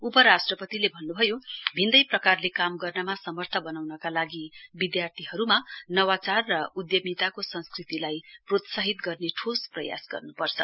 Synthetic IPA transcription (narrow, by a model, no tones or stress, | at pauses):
upʌɾasʈrʌpʌt̪ilebʱʌnːubʱʌjobʱind̪ʌjprʌkarlekamɡʌrnʌmasʌmʌrt̪ʰʌbʌnawnʌkalaɡibid̪jart̪ʰiɦʌɾumanʌwat͡sarːʌud̪jʌmit̪akosʌ̃nskrit̪ilajprot̪saɦit̪ɡʌrneʈʰosprʌ̰ja̰sɡʌ̰rnupʌrt͡sʰʌ̰